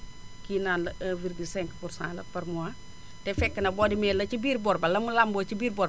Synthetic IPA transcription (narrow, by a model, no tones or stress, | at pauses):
kiːnaːnlɐəviɾɡisɛŋkpursã̰ːlɐ̰pɐɾmua | tɛfɛkːɐnɐbɔːdimɛlɐt͡ʃibiːɾbɔɾbɐlɐmulambɔːt͡ʃibiːɾbɔːɾ